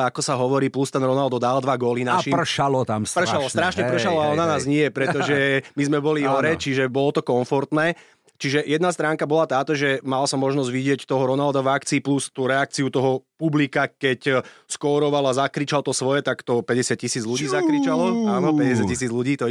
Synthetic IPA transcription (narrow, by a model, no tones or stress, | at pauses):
akɔsaɦɔʋɔɾiːplust̪ɛnɾɔnald̪ɔd̪ald̪ʋaɡɔlinaʃiːpr̩ʃalɔt̪amspr̩ʃalɔst̪ɾaʃɲɛpr̩ʃalɔaɔnanaːzɲɪɛpɾɛt̪ɔʒɛmizmɛbɔliɦɔɾɛt͡ʃiʒɛbɔlɔt̪ɔkɔɱfɔɾt̪nɛː | t͡ʃiʒɛjɛd̪nast̪ɾaːŋkabɔlat̪aːt̪ɔʒɛmalsamɔʒnɔzɟʋiɟɪɛct̪ɔɦɔɾɔnald̪avakt͡siːplust̪uɾɛak̚t͡siut̪ɔɦɔpublikakɛcskɔːɾɔʋalazakɾit͡ʃalt̪ɔsʋɔjɛt̪akt̪ɔpɛɟɛsɪat̪̚cisiːd͡zluɟiːzakɾit͡ʃalɔaːnɔpɛɟɛsɪatːcːisiːd͡zluɟiːt̪ɔ